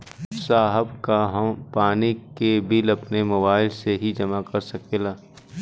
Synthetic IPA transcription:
saːɦəbkaɦɐmpaːnikebɪlɐpnemobaːɪlseɦid͡ʒɐmakɐɾsɐkeːlaː

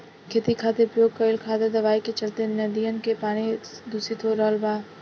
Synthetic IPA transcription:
kʰeːt̪ikʰaːt̪epɾəjoːɡ̚kəɪlkʰaːd̪ed̪ɐʋaːiket͡ʃɐlt̪enɐd̪ijənkepaːñid̪usit̪ʰoːɾɔːlbaː

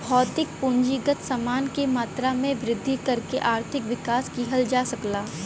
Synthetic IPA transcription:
bʱɔːt̪ɪk̚pʊ̃ɲd͡ʒiɡət̪samaːnkemaːt̪ɾamẽʋɾɪd̪ʱːikɐɾkeʔaːɾt̪ʰɪkʋɪkaːskiːɦəld͡ʒaːsɐklaː

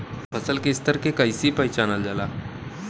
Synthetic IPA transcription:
fʰəsəlkeɪst̪əɾkekaisipəjt͡ʃanəld͡ʒalaː

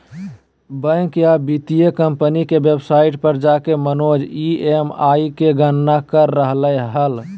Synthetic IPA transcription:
bə̃kjabit̪ijekəmpənikebebsaiʈpəɾd͡ʒakemənod͡ʒiemaikeɡənːakəɾːəɦləjɦəl

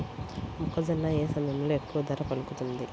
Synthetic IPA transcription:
mukːɐd͡ʒɐnːaeːsɐmɐnuluekːuʋɐd̪ɐɾɐpɐlukut̪und̪i

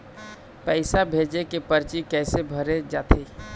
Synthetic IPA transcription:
pɛɪsabʱeːd͡ʒekepəɾt͡ʃikɛːsebʱəɾed͡ʒaːt̪ʰeː

